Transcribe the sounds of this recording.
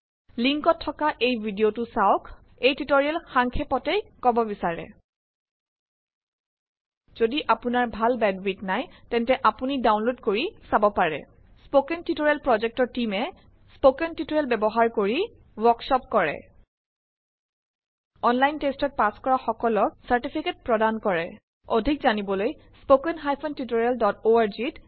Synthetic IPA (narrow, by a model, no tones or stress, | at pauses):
liŋkɔtʰːɔkaʔejbʱidiotusaʊk | ejtitoɹiɛlxaŋkʰepɔtejkɔbɔbisaɹɛ̰ | z̥odiʔapunaɹbʱalbɛnbitnajtɛntɛʔapunidawnlodkoɹisabɔpaɹɛ̰ | spokɛntitoɹiɛlpɹɔzɛk̚tɔɹtimɛ | spokɛntitoɹɛlbɛbɔɦaɹkoɹi | wɔksɔp̚kɔɹɛ̰ | ɔnlajntestɔt̚paskɔɹaxɔkɔlɔk̚saɹtipʰiket̚pɹɔdankɔɹɛ | odʱikzanibɔloj | spokɛnɦajpʰɔntutoɹɛldɔtoaɹzit